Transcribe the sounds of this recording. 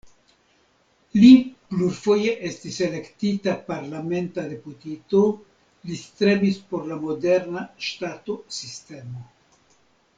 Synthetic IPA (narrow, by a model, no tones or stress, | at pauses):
lipluɾfo̞je̞ʔe̞stise̞le̞ktitapaɾlame̞ntade̞putito | list̪ɾebispo̞ɾlamo̞de̞ɾnaʃtato̞siste̞mo